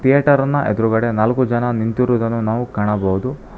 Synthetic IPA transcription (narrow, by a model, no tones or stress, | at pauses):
t̪ijɐːʈɐɾɐnːɐʔed̪ɐɾuɡɐɽe̞naːlɐkud͡ʒɐnɐnint̪iɾuːd̪ɐnːunaːʋukaːɳɐbɐwud̪u